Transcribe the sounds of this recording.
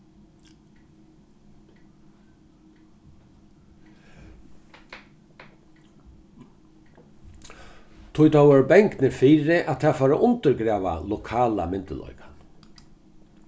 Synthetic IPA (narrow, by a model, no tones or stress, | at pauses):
t̪ʰʊjt̪ʰawɔɾbɛŋknɪfiːɾɪʔat̪ʰɛːfaːɾaʔʊnt̪əɾɡɾɛːʋa̰lʊkʰaːla̰mɪnt̪əlɔ̰ʏkḁ